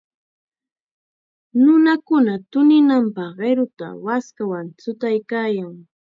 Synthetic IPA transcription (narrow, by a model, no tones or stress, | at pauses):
nʊnakʊnat̪ʊnɪnampɑχɢeɾʊt̪a̰waskawant͡sʊt̪ajkaːjaŋ